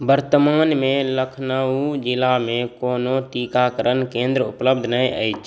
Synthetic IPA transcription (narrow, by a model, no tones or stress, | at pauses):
bəɾt̪əmaːnmeləkʰnəud͡ʒɪlamẽkoːnoʈikakəɾənkẽːnd̪ɾəupləbd̪ʱnəjə̰jt͡ʃʰ